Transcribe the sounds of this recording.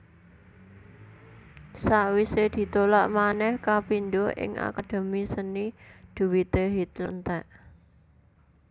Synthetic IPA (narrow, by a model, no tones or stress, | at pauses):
saʔwised̪̥i̤t̪olaʔmanɛhkapind̪oʔɪ̰ŋʔa̰kad̪̥o̤misənid̪̥ṳwit̪eɦit̪lənt̪ɛʔ